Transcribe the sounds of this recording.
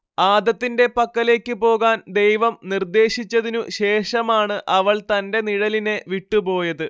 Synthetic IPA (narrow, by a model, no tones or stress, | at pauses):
aːd̪ɐt̪ːinde̞pɐkːɐle̞ːkʲːɨpo̞ːɣaːnd̪e̞jʋɐmnird̪e̞ːɕit͡ɕːɐðinuɕe̞ːʂɐmaːɳɨʔɐʋɐɭt̪ɐnde̞niɻɐline̞ʋiʈːupo̞ːjɐðɨ